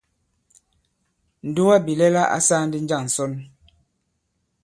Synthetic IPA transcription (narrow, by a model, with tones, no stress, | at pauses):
n̩˨du˦wa˦bi˨lɛ˦la˦ʔa̰˦saː˦n̩˦di˦n̩˦d͡ʒa˦˨n̩˨sɔ˦n